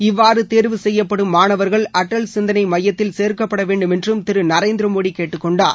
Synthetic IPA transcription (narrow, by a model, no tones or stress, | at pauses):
ɪʋːaːɾɯt̪eːɾʋɯsɛjːɐpːɐɽɯmːaːɳɐʋɐɾɣɐɭɐʈːɐɭsɪnd̪ɐnɐɪmɐjːɐt̪ːɪlseːɾkɐpːɐɽɐʋeːɳɖɯmɛndrɯmt̪ɪɾɯnɐɾeːnd̪ɪɾɐmoːɽikeːʈːɯkːɔɳɖaː